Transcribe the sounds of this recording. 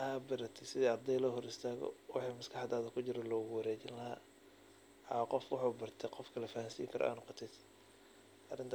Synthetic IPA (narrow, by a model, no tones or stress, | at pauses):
haːbɐɾɐt̪ʰɛɪsɪðiːɑrd̪ɛjlɔːɦɔɾɪst̪ʰaːɣɔ̰wɑħiːmɐskʰɑħɑd̪aːðɐkʰʊt͡ʃɪɾɔlɔːɣʊwɑɾɛːt͡ʃɪnlɐɦa̰ː | ɑ̰qɔfwɑħuːbɐrt̪ʰɛqɔfkʰɐlɐfahansḭːŋkʰɐɾʔɔ̰ʔa̰ːnːʊqɑt̪ʰɛd̪ | ʔɐrɪnt̪ʰ